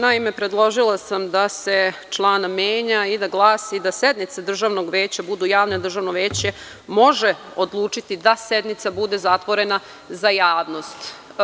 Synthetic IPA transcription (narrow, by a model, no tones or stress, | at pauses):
naimepɾe̞d̪lˠo̞ʒilˠasamd̪ase̞t͡ʃlˠaːnamjeːɲaid̪aɡlˠaːsid̪ased̪nit̪sad̪r̩ʒaʋnoɡʋe̞ːt͡ɕabud̪ujaːʋned̪r̩ʒaʋno̞ʋeːt͡ɕe̞ | mo̞ʒe̞o̞d̪lˠuːt͡ʂit̪id̪ased̪nit̪sabud̪e̞zat̪ʋo̞ɾe̞na | zajaːʋno̞st̪